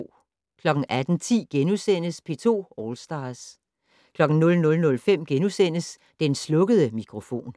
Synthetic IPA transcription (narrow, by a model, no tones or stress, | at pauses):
kʰlɒ̽ɡ̥ŋ̩ʔæd̥n̩t͡sʰḭːɡ̥enusen̰əspʰe̝ːt͡sʰo̝̰ːɒːlsd̥ɑ̈ːs | kʰlɒ̽ɡ̥n̩nɔ̽lnɔ̽lnɔ̽lfem̰ɡ̥enusen̰əs | d̥enslɔ̽ɡ̥əð̞ˠəmikʰʁo̝fo̝̰ːn